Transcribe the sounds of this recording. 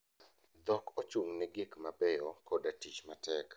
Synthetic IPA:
d̪ɔkɔt͡ʃuŋnɛɡikmabɛjɔkodatit͡ʃmatɛk

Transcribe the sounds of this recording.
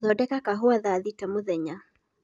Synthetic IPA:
ðɔdɛkakaɦuaðaðitamuðɛɲa

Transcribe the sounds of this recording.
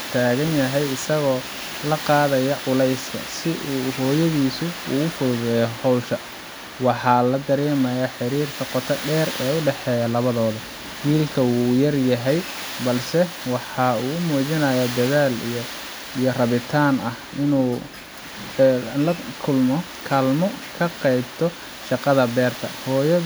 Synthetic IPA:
t̪ʰaːɣɐnjɐɦɛjɪsɐɣɔː | lɐqɑːðɐjɐʕʊlɛjskʰɐ̰sɪʔuːɦɔːjɐðiːsʊuːʊfʊɾðɛjɔhɔwʃɐ | wɑħɑːlɐd̪ɐɾɛːmɐjaħɪɾiːrt̪ʰɐqɔt̪ʰɐɖɛːrɛːʊɖɛħɛːjɐlɐβɐðɔːðɔ | wiːlkʰɐuːjɐrjɐɦɛj | bɐlsɛ | wɑħɑːuːʊmuːt͡ʃɪnɐjad̪ɐðaːlijɔ | ijɔrɐβɪt̪ʰaːnɐh | ɪnuː | lɐkʰʊlmɔ | kʰɐlmɔkʰɐqɛjbt̪ʰɔ | ʃɑqɑðɐbɛːrt̪ʰɐ̰hɔːjɐ

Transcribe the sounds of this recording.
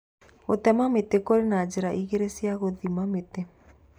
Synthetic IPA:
otɛmametekoɾenad͡ʒeɾaʔiɣeɾesjaɣoðimamete

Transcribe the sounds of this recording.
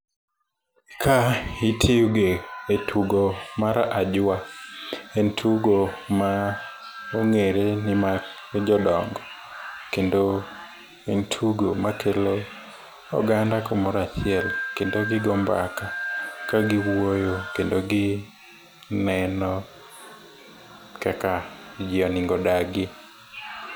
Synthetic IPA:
kʰaitʰiuɡeetʰuɡomaɾaʔad͡ʒwa | entʰuɡoma | oŋeɾenɪma | d͡ʒɔdɔŋɡɔ | kendo | entʰuɡomakʰelo | ɔ̰ɡandakomɔɾat͡ʃɪɛlkendoɡɪɡɔmba̰kakaɡɪwojokendoɡɪ | nɛnɔ | kɛkad͡ʒɪɔnɪŋɡɔdaɡɪ

